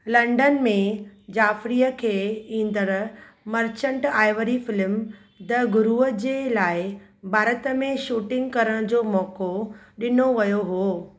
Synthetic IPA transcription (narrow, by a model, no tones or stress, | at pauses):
lɐ̃ɳɖənmẽd͡ʑaːfɾijəkʰeːĩːnd̪əɾ | mɐɾt͡ɕə̃ɳʈaːɪʋəɾifɪlm | d̪ɐɡʊɾuəd͡ʑeːlaːɪbʱaːɾət̪əmẽʃuːʈɪ̃ŋɡkɐɾəɽ̃d͡ʑoːmɔːko | ɗɪnoʋɐjoɦuoː